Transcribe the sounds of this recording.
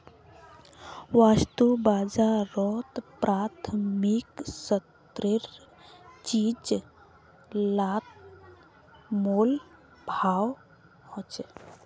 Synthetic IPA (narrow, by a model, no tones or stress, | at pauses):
ʋast̪ubaːd͡ʒaɾɔt̪pɾat̪ʰmiksət̪ | ɾɪɾ | t͡ʃid͡ʒ | lat̪̚ | moːl | bʱaːw | hɔ̃t͡ʃ